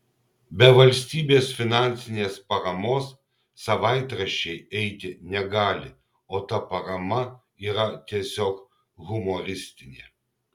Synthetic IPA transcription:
bʲɛʋɐlʲsʲt̪ʲiːbʲeːsfʲɪnɑˑnʲt̪sʲɪnʲeːspɐɾɐmoːsː | ɐʋɑɪt̪ɾɐʃʲɛɪɛɪt̪ʲɪnʲɛɡɑːlʲɪ | oːt̪ɐpɐɾɐmɐ | iːɾɐt̪ʲiɛsʲoːk | ɣʊmoɾʲɪsʲt̪ʲɪnʲḛː

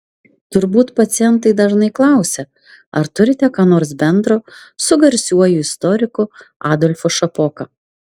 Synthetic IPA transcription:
t̪ʊɾbuːt̪pɐt̪sʲɪjɛnt̪ɐɪd̪ɐʒnɐɪklˠɑˑʊsʲɛ | ɐɾt̪ʊɾʲɪt̪ʲɛkɑːnoːɾsbʲɛnd̪ɾoːsʊɡɐɾʲsʲuɔjuːɪst̪ɔɾʲɪkʊɑːd̪ɔlʲfoʃɐpoːkɐ

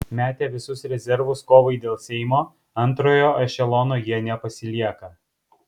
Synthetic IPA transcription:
mʲæːt̪ʲeːʋʲɪsʊsɾʲɛzʲɛɾʋʊskoːʋɐɪd̪ʲeːlˠsʲɛɪmoː | ɐnˑt̪ɾoːjoːʔɐʃʲɛlˠɔːnoːjiɛnʲɛpɐsʲɪlʲiɛkɐ

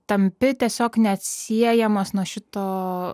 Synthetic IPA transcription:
t̪ɐmʲpʲɪt̪ʲiɛsʲoːknʲɛɐt̪ʲsʲiɛjɛmɐsnuɔʃʲɪt̪oː

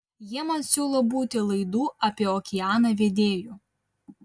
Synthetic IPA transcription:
jiɛmɐsʲuːlˠoːbuːt̪ʲɪlˠɐɪd̪uːʔɐpʲiɛɔːkʲɪjɑːnɐʋʲeːd̪ʲeːjuː

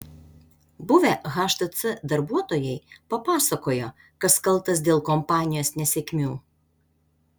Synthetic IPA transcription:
bʊʋʲɛɣɑːʃt̪ɐt̪sʲɨd̪ɐɾbuɔt̪oːjɛɪpɐpɑːsɐkoːjo | kɐskɐlˠˑt̪ɐs̬d̪ʲeːlˠkɔmpɑːnʲɪjoːsnʲɛsʲɛkʲmʲuː

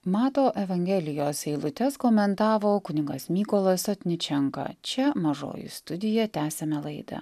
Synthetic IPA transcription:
mɑːt̪oːʔɛʋɐŋʲɡʲɛlʲɪjoːsɛɪlˠʊt̪ʲɛskoːmʲɛnt̪ɑːʋoːkʊnʲɪŋɡɐsmʲiːkolˠɐsot̪ʲnʲɪt͡ʃʲɛŋkɑ̰t͡ʃʲɛmɐʒo̰ːjʊ̰st̪ʊd̪ʲɪjɛt̪ʲæːsʲɛmʲɛlˠɐɪd̪ɐ̰

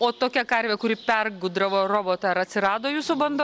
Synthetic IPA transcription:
oːt̪oːkʲɛkɐɾʲʋʲɛkʊɾʲɪpʲɛrɡʊd̪ɾɐʋoːɾoːboːt̪ɑɪɾɐt̪ʲsʲɪɾɑːd̪oːjuːsʊbɐnd̪o

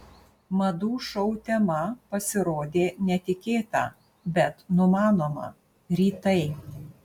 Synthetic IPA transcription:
mɐd̪uːʃɔʊt̪ʲɛmɐpɐsʲɪɾoːd̪ʲeːnʲɛt̪ʲɪkʲeːt̪ɑ̰ː | bʲɛt̪nʊmɑːnoːmɐ̰ | ɾʲiːt̪ɐɪ

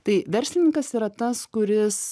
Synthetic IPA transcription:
t̪ɐɪʋʲɛɾʲsʲlʲɪnʲɪ̃ŋkɐsiːɾɐt̪ɐskʊɾʲɪs

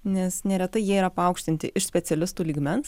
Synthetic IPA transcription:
nʲɛsnʲɛɾʲɛt̪ɐɪjiɛiːɾɐpɐɐʊkʃʲt̪ʲɪnʲt̪ʲɪʔɪʃsʲpʲɛt̪sʲɛlʲɪst̪uːlʲiːɡmʲɛns

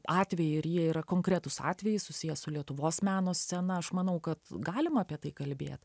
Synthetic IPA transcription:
ɑːt̪ʲʋʲɛjɪɪɾjiɛiːɾɐkoːŋkɾʲæt̪ʊsɑ̰ːt̪ʲʋʲɛjɪsʊsʲɪjɛsʊlʲiɛt̪ʊʋoːsmʲæːnoːsʲsʲɛnɐɐʃmɐnɐʊkɐt̪ɡɑːlʲɪmɐːpʲiɛt̪ɐɪkɐlʲbʲḛːt̪

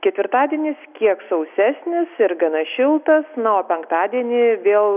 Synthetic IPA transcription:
kʲɛt̪ʲʋʲɪɾt̪ɑːd̪ʲiɛnʲɪskʲiɛksɐʊsʲæːsʲnʲɪsɪɾɡɐnɐʃʲɪlˠt̪ɐsnɐoːpʲɛŋkt̪ɑːd̪ʲiɛnʲɪʋʲeːlˠ

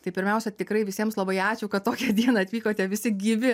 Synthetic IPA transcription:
t̪ɐɪpʲɪɾʲmʲɛʊsʲɛt̪ʲɪkɾɐɪʋʲɪsʲiɛmslˠɐbɐɪɑːt͡ʃʲʊkɐt̪toːkʲɛd̪ʲiɛnɑɐt̪ʲʋʲiːkoːt̪ʲɛʋʲɪsʲɪɡʲiːʋʲɪ

